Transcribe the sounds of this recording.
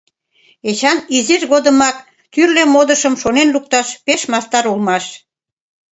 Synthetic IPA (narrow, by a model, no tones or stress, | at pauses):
et͡ɕɑnizirɣod̪əmɑk | t̪yrlemod̪əʃəmʃonenluk̚t̪ɑʃpeʃmɑst̪ɑɾulmɑʃ